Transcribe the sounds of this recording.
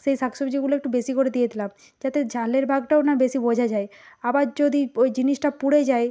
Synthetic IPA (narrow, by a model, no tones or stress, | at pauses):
ʃejsaksobid͡ʑeɡuloek̚ʈubeʃikoɾed̪ijed̪ʰʱilam | d͡ʑat̪ed͡ʑʱaleɾbʱaɡʈaonabeʃibod͡ʑʱad͡ʑae | abaɾd͡ʑod̪id͡ʑiniʃʈapuɽed͡ʑaj